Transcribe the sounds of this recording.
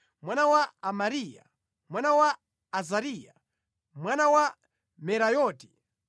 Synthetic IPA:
mwanawaːmaɾija̰ | mwanawaː | zaɾiːja | mwanawa | mɛɾajɔːti̥

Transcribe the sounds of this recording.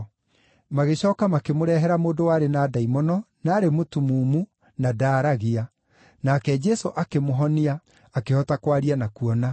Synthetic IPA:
maɣeɕɔːkamakemoɾɛɦɛɾamoːdowaɾenaːdaimɔnɔnaːɾemotumuːmu | nadaːɾaɣia | nakɛd͡ʒɛsoʔakemoɦɔniaː | kehɔtakwaɾianakuɔna

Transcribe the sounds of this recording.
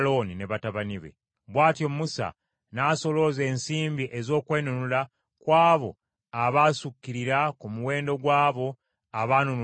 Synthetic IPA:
lo̞nine̞βataβaniβḛ | βwaːtjo̞musa̰ | naːso̞lo̞ze̞ːnsiːmbiʔezo̞ːkwe̞ːnunula | kwaːβo̞̰ | aβaːsukːiɾiɾakumuwe̞ːndo̞ɡwaːβo̞ | aβaːnunu

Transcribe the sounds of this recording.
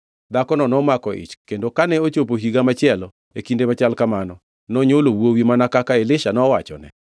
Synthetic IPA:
d̪akɔnɔnɔmakɔʔḭt͡ʃkendokanɛot͡ʃop̬oɦiɡamat͡ʃɪɛlɔ | ekindemat͡ʃalkamanɔ | nɔɲolowowimanakakaelɪʃanɔwat͡ʃɔ̰nɛ̰

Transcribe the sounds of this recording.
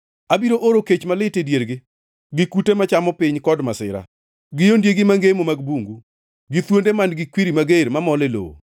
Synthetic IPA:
abiɾoʔoɾoket͡ʃmalɪtedjeɾɡɪ | ɡɪkutemat͡ʃamɔpɪɲkɔdmasɪ̰ɾa̰ | ɡɪjondjeɡɪmaŋɡemomaɡbuŋɡu | ɡɪt̪wondemanɡɪkwiɾimaɡeɾmamɔlelo̰o̰

